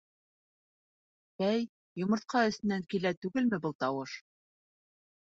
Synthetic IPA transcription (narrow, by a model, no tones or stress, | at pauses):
æj | jŏmɤ̆ɾt̪̚qʰɑɵ̆st̪ɘ̆næŋkilæt̪ʉɡɘlmɘbɤlˠt̪ɑwɤʃ